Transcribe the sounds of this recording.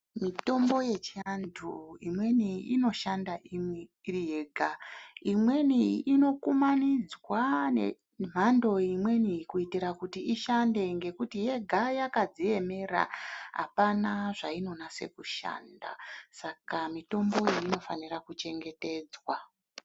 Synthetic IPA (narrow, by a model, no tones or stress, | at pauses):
mito̞mbo̞je̞t͡ʃianduimwe̞niino̞ʃandaʔimwiirijeːɡʱaimwe̞niino̞kumanid͡zwanḛ | m̤ando̞imwe̞nikuitiɾakutiiʃande̞ŋɡe̞kutije̞ɡʱajakad͡zie̞me̞ra̰ɦa̰panaʐaino̞nase̞̰kuʃa̰ːnda̰sakamito̞mbo̞iino̞fanirakut͡ʃe̞ŋɡe̞te̞ːd͡zwa